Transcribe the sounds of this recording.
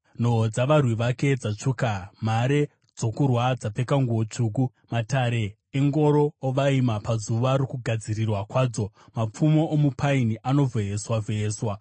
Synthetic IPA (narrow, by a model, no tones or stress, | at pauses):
n̤o̞d͡zaʋarwiʋake̞d͡zat͡ʂuːkam̤aɾe̞ | d͡zo̞kurwad͡zape̞kaŋɡuot͡ʂuːk̬u | mataɾe̞ː | ŋɡo̞ɾo̞ːʋaimapazuʋaɾokuɡʱad͡zirirwakwaːd͡zo̞ | map͡fumoʔomupʰainiʔano̞veeswaveeːswa